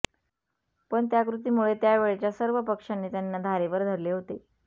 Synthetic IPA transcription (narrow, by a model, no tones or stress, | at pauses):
pəɳt̪jakɾut̪iːmuɭet̪jaʋeɭet͡ɕjasəɾʋəpəkʂanːiːt̪janːad̪ʱaɾeʋəɾd̪ʱəɾleɦot̪e